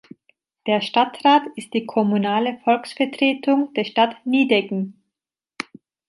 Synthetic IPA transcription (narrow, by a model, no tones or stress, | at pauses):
d̥eːɐʃtatʁaːtɪst̚d̥iːkʰɔmunaːləfɔlksfɛɐtʁ̥eːtʰʊŋd̥eːɐʃtatniːdɛkŋ̩